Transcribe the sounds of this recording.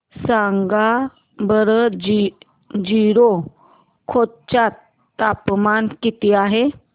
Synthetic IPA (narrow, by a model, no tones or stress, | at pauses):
saŋɡa | bəɾəd͡ʑ | d͡ʑiɾo | kʰod̪̚t͡ɕat̪ː | apmankit̪iaɦe